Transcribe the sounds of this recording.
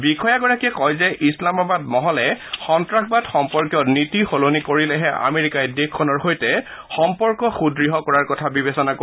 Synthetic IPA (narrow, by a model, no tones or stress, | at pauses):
bikʰɔjaɡɔɹakɛkɔjzɛʔislamabad̚mɔɦɔlɛxɔntɹakbadxɔmpɔɹkjɔnitixolonikoɹilɛɦɛʔa̰meɹikajdekʰːɔnɔɹxojtɛ | xɔmpɔɹkɔxudɹiɦɔkɔɹaɹkɔtʰabibesɔnako